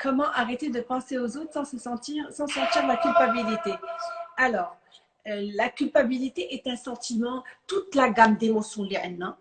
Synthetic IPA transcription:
kʰɔmɑ̃ʔaʁet̪ed̪əpɑ̃seozot̪χsɑ̃səsɑ̃t̪iʁsɑ̃sɑ̃t̪iʁlakʲylpabilit̪ealɔːʁ | lakʲylpabilit̪eʔɛt̪ɛ̃sɑ̃t̪imɑ̃t̪ut̪laɡamd̪emosjɔ̃liʕna

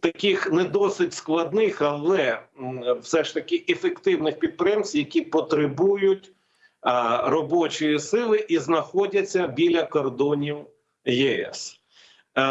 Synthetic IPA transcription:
t̪ɐkʲixnɛd̪ɔsɪtʲsklˠɐd̪nɪxɐlˠɛ | wsɛʃt̪ɐkɪʔefekt̪ɪwnɪxpʲid̪̚pɾjɛmsʲjɐkʲipɔt̪ɾɪbujʊtʲ | ɾɔbɔt͡ʃɔjisɪlˠɪʔiznɐxɔdʲɐt͡sʲːɐbʲilʲɐkɔrd̪ɔnʲiw | jɛɛ̰s

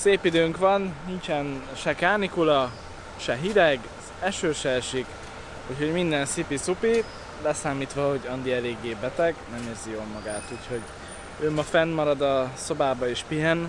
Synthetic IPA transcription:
seːpid̪øːŋkʋɒnnint͡ʃɛnʃɛkaːnikulɒ | ʃɛɦid̪ɛɡ | ɛʃøːʃɛːʃik | uːcho̞ɟmind̪ɛnsipisupi | lɛsaːmiːt̪ʋɒho̞ɟɒnd̪iɛleːɡːeːbɛt̪ɛɡnɛmeːrzijoːlmɒɡaːt̪uːcʰho̞ɟ | øːmːɒfɛnmɒɾɒd̪ɒso̞baːbɒeːʃpiɦɛn

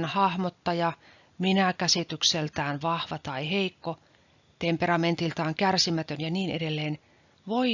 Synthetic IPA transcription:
nhɑhmot̪ːɑjɑ | minækæsit̪ykselt̪æːnʋɑhʋɑt̪ɑiheikːo | t̪emperɑment̪ilt̪ɑːŋkærsimæt̪ønjɑniːnḛdelːeːn | ʋoi

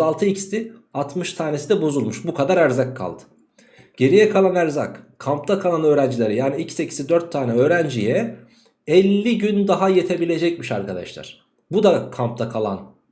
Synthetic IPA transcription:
alˠt̪ʰɯicst̪iat̪ʰmɯʃt̪ʰaːne̞sid̪ɛbo̞zulˠmuʃbukʰad̪aɾæɾzakʰːa̰lˠd̪̥ɯ̥ | ɟ̥e̞ɾijɛkʰalˠanæɾza̰kkʰamp̚t̪ʰakʰalˠanø̞ːɾænd͡ʒilʲe̞ɾijaːniicsecʰi̥sid̪øɾt̪ʰːaːnɛø̞ːɾænd͡ʒijɛ | ɛlʲːiɟynd̪aɦajet̪ʰe̞bilʲe̞d͡ʒɛcmiʃa̰ɾkʰad̪a̰ʃlˠa̰ɾ̥ | bud̪akʰamp̚t̪ʰakʰalˠa̰n

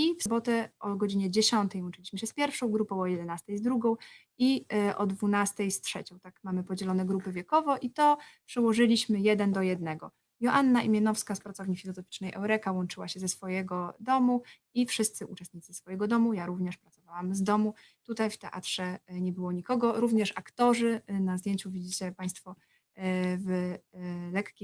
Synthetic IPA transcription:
ifsɔbɔt̪ɛʔɔɡɔd͡ʑiɲɛd͡ʑɛɕɔnt̪ɛjwɔnt͡ʂɘlʲiɕmɘɕɛspʲjɛɾfʂɔ̃w̃ɡɾupɔ̃w̃ɔjɛd̪ɛnast̪ɛjzd̪ɾuɡɔ̃w̃ | iʔɔ̰d̪vunast̪ɛjstʂɛt͡ɕɔ̃w̃t̪akmamɘpɔd͡ʑɛlɔnɛɡɾupɘvʲjɛkɔvɔʔit̪ɔpʂɛwɔʐɘlʲiɕmɘjɛd̪ɛnd̪ɔjɛd̪nɛɡɔ | jɔʔanːaʔimʲjɛnɔfskaspɾat̪ɔvɲifʲilɔzɔfʲi̥t͡ʂnɛjʔɛwɾɛkawɔnt͡ʂɘwaɕɛzɛsfɔjɛɡɔd̪ɔmu | ifʂɘst̪sɘʔut͡ʂɛst̪ɲit̪sɘsfɔjɛɡɔd̪ɔmujaɾuvɲɛʂpɾat̪ɔvawamzd̪ɔmu | t̪ut̪ajft̪ɛʔa̰t̪ʂɛɲɛbɘwɔɲikɔɡɔɾuvɲɛʂakt̪ɔʐɘnazd̪ʲjeɲt͡ɕuvʲid͡ʑit͡ɕɛpaj̃st̪fɔ | v | lɛkkʲe

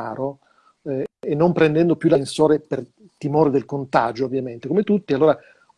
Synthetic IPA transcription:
aːɾo | enːompɾɛnd̪ɛnd̪opjulansoːɾeper | t̪imoːɾed̪elkont̪a̰ːd͡ʒoːvjament̪ekomet̪ut̪ːialːoːɾa

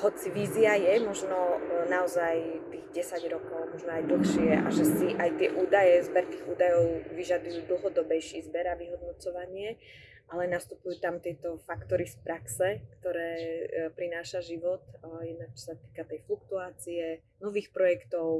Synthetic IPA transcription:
ɦɔt͡siʋiːziajɛmɔʒnɔnaɔzajt̪iːɣɟɛsaɟɾɔkɔʊmɔʒnɔajd̪l̩xʃɪɛʔa̰ʒɛsiʔajt̪ɪɛʔuːd̪ajɛzbɛɾt̪iːɣuːd̪ajɔʊʋiʒad̪ujuːd̪l̩ɦɔd̪ɔbɛjʃiːzbɛɾaʋiɦɔd̪nɔt͡sɔʋaɲɪɛ | ʔalɛnast̪upujuːt̪amt̪ɪɛt̪ɔfakt̪ɔɾispɾaksɛkt̪ɔɾɛːpɾinaːʃaʒiʋɔt̪jɛd̪̚nak̚t͡ʃɔ̥sat̪i̥ːkat̪ɛjflukt̪uaːt͡siɛ | nɔʋiːxpɾɔjɛkt̪ɔʊ

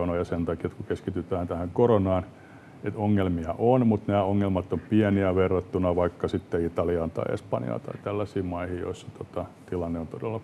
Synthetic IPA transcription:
onojɑsent̪ɑkiet̪kukeskit̪yt̪æːnt̪æhæŋkoronɑːn | et̪oŋːelmiɑʔonmut̪næːoŋːelmɑt̪ːompieniæʋerːɑt̪ːunɑʋɑikːɑsit̪ːeit̪ɑliɑnt̪ɑ̰iḛspɑnḭɑ̰t̪ɑ̰it̪ælːæsiːmɑihijo̰isːɑ̥t̪ot̪ɑt̪ilɑnːeont̪odelːɑ

